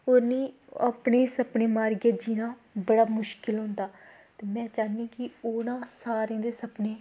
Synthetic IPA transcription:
oːɾniː | aːpɳeːsəpɳeːmaːɾɡaːd͡ʒiːnãːbəɽaːmʊʃkɪlɦʊ̃nd̪aː | t̪eːmɛ̃ːt͡ʃaːnĩːkɪoːnãːsaːɾẽːd̪eːsəpneː

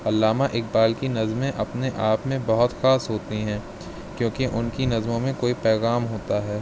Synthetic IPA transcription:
ɐlːaːmaʔɪk̚baːlkinɐzmẽʔɐpneʔaːpmẽbɐɦʊt̪xaːsɦoːt̪iɦɛ̃ː | kjõːkiʔʊnkinɐzmõmẽkoːipɛːɣaːmɦoːt̪aɦɛː

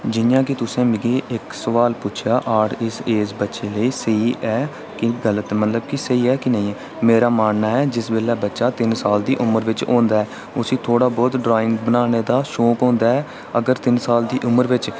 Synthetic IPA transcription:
d͡ʒɪjãːk̬ɪt̪ʊsẽːmɪɡeːʔɪksəʋaːlpʊt͡ʃʰjaːʔaːɽɪseːsbətːʃeːləiːsəiːʔɛː | kɪɡələt̪mət̪ləb̚kɪsəiːɛːkɪnəĩː | meːɾaːmaːnnaːɛːd͡ʒɪsbeːlɛːbətːʃaːt̪ɪnsaːld̪iːʔʊməɾʋɪt͡ʃõ̰ːnd̪aːɛː | ʊsĩːt̪ʰoːɽaːbɔːd̪ɖɾaːɪ̃ŋɡbənaːneːd̪aːʃoːkõːnd̪aːɛː | əɡəɾt̪ɪnsaːld̪iːʔʊməɾʋɪt͡ʃ

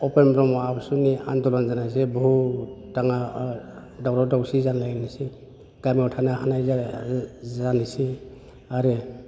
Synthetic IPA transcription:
ɔpenbɾɔmɔabsunia̰ndɔlɔnzanajsebɔɦutaŋa | dawɾɔdawsizanlajnisi | ɡ̥amiɔtʰanahanaj | anisi | aɾe

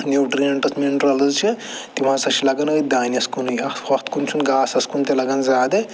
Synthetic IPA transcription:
njuwʈɾilɐɳʈɐsmenʈɾɐlɐzt͡ʃʰit̪imãːsɐʃilɐɡɐnɐid̪aːniɐskunujɐwɐkt̪kunt͡ʃʰunɡaːsɐskunt̪elɐɡɐnzaːd̪e

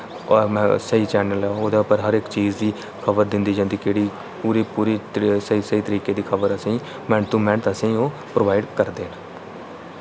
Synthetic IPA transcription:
ɔːmɛ̃ːsəiːt͡ʃɛːnəlɛoːd̪aːʊpəɾɦəɾɪkt͡ʃiːzd̪iː | kʰəbəɾd̪ɪnd̪iːd͡ʒãːnd̪iːkeːɽiː | puːɾiːpuːɾiːsəiːsəiːt̪əɾiːkeːd̪iːkʰəbəɾəsĩː | mɛ̃ːɳt̪uːmɛ̃ɳʈ̪əsĩːoː | pɾoːʋaːɪɖkəɾd̪eːnː

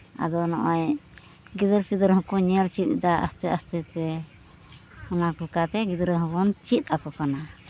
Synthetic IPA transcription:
a̰d̪ɔnɔʔɔj | ɡid̪əɾpid̪əɾɦɔ̃kɔɲɛlt͡ʃit̪̚d̪aʔa̰st̪ɛast̪ɛt̪ɛ | hɔnakɔlɛkat̪ɛɡid̪ɾəɦɔbɔnt͡ʃit̪̚akɔkana

